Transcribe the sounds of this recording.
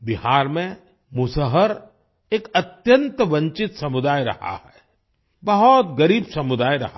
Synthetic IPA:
bɪɦaːɾmẽ | mʊsəɦəɾ | eːkɐt̪jə̃nt̪ʋɐ̃ɲt͡ʃɪt̪sɐmʊd̪aːjɾɐ̰ha̰hɛ | bɐɦɔt̪ɡɐɾiːbsɐmʊd̪aːjɾɐ̰ɦa

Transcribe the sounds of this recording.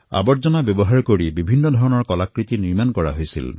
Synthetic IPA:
a̰bɔɾd͡ʒɔnabjɔbɔɦaɹkoɽibibʱinːɔd̪ʱɔɹɔnɔɹkɔlakɹit̪iniɹmankɔɹa̰ɦojsḭl

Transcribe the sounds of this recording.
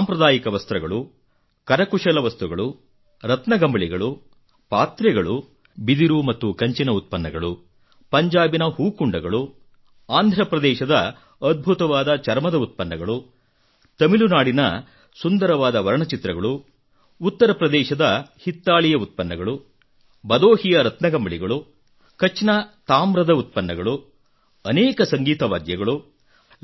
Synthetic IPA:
saːmpɾɐd̪aːjikɐʋɐst̪ɾɐɡɐɭu | kɐɾɐkuʂɐlɐʋɐst̪uɡɐɭu | ɾɐt̪nɐɡɐmbɐɭiɡɐɭu | paːt̪ɾɛɡɐɭu | bid̪iɾumɐt̪ːukɐɲt͡ʃinɐut̪̚pɐnːɐɡɐɭu | pɐɲd͡ʒaːbinɐhuːkuɳɖɐɡɐɭu | aːnd̪ʱɾɐpɾɐd̪ɛːʃɐd̪ɐ | ɐd̪̚bʱut̪ɐʋaːd̪ɐt͡ʃɐɾmɐd̪ɐut̪̚pɐnːɐɡɐɭu | t̪ɐmilunaːɽinɐ̰ | sund̪ɐɾɐʋaːd̪ɐʋɐɾɐɳɐt͡ʃit̪ɾɐɡɐɭu | ut̪ːɐɾɐpɾɐd̪ɛːʃɐd̪ɐhit̪ːaːɭijɐut̪̚pɐnːɐɡɐɭu | bɐd̪oːhijɐɾɐt̪nɐɡɐmbɐɭiɡɐɭu | kɐt͡ʃːnɐt̪aːmɾɐd̪ɐut̪̚pɐnːɐɡɐɭu | ɐnɛːkɐsɐŋɡiːt̪ɐʋa̰ːd̪jɐɡɐɭu

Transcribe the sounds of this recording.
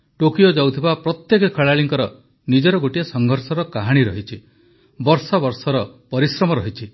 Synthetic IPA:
ʈokijod͡ʒawt̪ʰibapɾɔt̪jekɔkʰəɭaɭiŋkɔɾɔ | nid͡ʒɔɾɔɡoʈiasɔŋɡʱɔɾsɔɾɔkaɦaɽ̃iɾɔɦit͡ʃʰi | bɔɾsɔbɔɾsɔɾɔpɔɾisɾɔmɔɾɔɦit͡ʃʰi

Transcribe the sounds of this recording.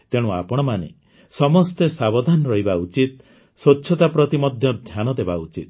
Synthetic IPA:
t̪eɽ̃ũa̰pɔɽ̃ɔmanḛ | sɔmɔst̪esabɔd̪ʱanɔɾɔɦibaut͡ʃit̪̚ | swot͡ʃːʃʰɔt̪apɾɔt̪imɔd̪ʱjɔd̪ʱjanɔd̪ebaut͡ʃit̪̚

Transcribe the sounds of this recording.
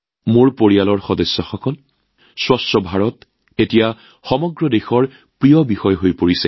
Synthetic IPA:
moɹpoɹialɔɹxɔdɔsːɔxɔkɔl | swastɹɔbʱaɹɔt | etija | xɔmɔɡɹɔdexɔɹ | pɹijɔbixɔjɦojpoɹisɛ

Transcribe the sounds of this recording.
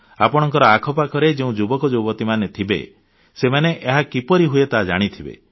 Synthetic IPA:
apɔɽ̃ɔŋkɔɾɔakʰɔpakʰɔɾed͡ʒeũd͡ʒubɔkɔd͡ʒubɔt̪imanet̪ʰibḛ | semaneʔeɦakipɔɾiɦuet̪ad͡ʒa̰ɽ̃it̪ʰibḛ

